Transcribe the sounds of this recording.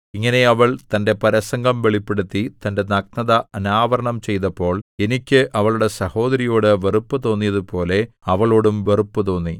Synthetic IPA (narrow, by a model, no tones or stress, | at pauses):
iŋːɐne̞ɐʋɐɭt̪ɐnde̞pɐɾɐsɐŋɡɐmʋe̞ɭipːe̞ɽut̪ːit̪ɐnde̞nɐk̚nɐðɐɐnaːʋɐɾɐɳɐmt͡ɕe̞jt̪ɐpːo̞ːɭe̞nikʲːɨʔɐʋɐɭuɽe̞sɐho̞ːd̪ɐɾijo̞ːɽɨʋe̞rupːɨt̪o̞ːnːijɐðupo̞ːle̞ | ɐʋɐɭo̞ːɽumʋe̞rupːɨt̪o̞ːnːi